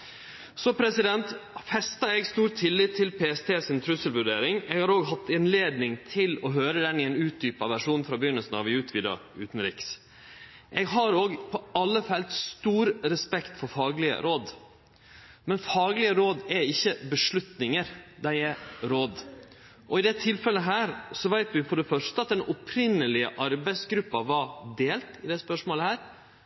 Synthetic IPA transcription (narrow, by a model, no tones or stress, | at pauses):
sɔpʰɾɛsɪd̪ɛnt̪fɛst̪ɑɛɡst̪uːɾt̪ʰːɪlːɪt̪ʰːɪlpʰeːɛst̪ʰeːsɪnt̪ʰɾʉsəlʋʉɾɖeːɾɪŋɛːɡhɑɾoːɡɦɑt̪ːɪnleːd̪nɪŋt̪ʰɪlɔɦøːɾəd̪ɛnɪɛːnʉːt̪̚d̪yːpɑʋæʂuːnfɾɑbjʏnːəlsn̩ɑ̰ʋɪʉːt̪ʰʋiːd̪ɑ̰ʉ̰ːt̪ən̩ɾɪːks | ʔɛɡɦɑɾoːɡpʰɔɑlːəfɛlt̪st̪uːɾɾɛspɛkt̪fɔɾfɑːɡlɪə̰ɾoːd̪ | mɛnfɑːɡlɪəɾoːd̪ɛɪçːəbəʂɭʉt̪nɪŋəɾd̪æɪɛɾoːd̪ | ʔɔɪd̪ɛt̪ʰɪlfɛləɦæːɾsɔʋæɪt̪ʋɪfɔɖɛfœʂʈəɑt̪̚d̪ɛnʔɔpʰɾɪnːəlɪəʔɑɾbæɪsɡɾʉpːɑʋɑd̪eːlt̪ɪd̪ɛspœʂmoːləhæːɾ